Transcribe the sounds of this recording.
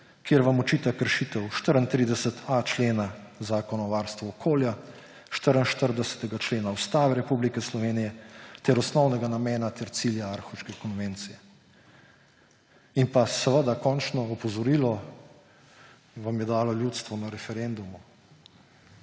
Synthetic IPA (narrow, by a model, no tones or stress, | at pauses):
kjeɾʋamɔt͡ʃiːt̪akəɾʃiːt̪ɛwʃt̪əɾənt̪ɾiːd̪ɛsət̪ʰat͡ʃleːnazaːkɔnɔʋaːɾst̪ʋɔːkʰoːlja | ʃt̪əɾənʃt̪əɾd̪ɛsə̥t̪ɛɡat͡ʃleːnaust̪aːʋɛɾɛpublikɛslɔʋeːnijɛt̪ɛɾɔsnɔwnɛɡanamɛːnat̪ɛɾt̪siːljaaɾxɔwʃkɛkɔnʋeːnt̪sijɛ | inpasɛʋəd̪akɔnt͡ʃnɔɔpɔzɔɾiːlɔ | ʋamjɛd̪aːlɔljuːt̪st̪ʋɔnaɾɛfɛɾend̪umu